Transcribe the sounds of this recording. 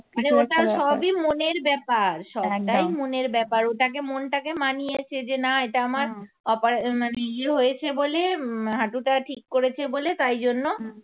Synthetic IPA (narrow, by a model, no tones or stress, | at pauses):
neoʈaʃɔbimoneɾbɛpaɾʃɔbɛʈajmoneɾbɛpaɾoʈakemonʈakemanijet͡ɕʰed͡ʑenaeʈaamaɾ | ɔpaɾaaneieɦojet͡ɕʰeboleɦaʈuʈaʈʰikːoɾet͡ɕʰebolet̪ajd͡ʑonːo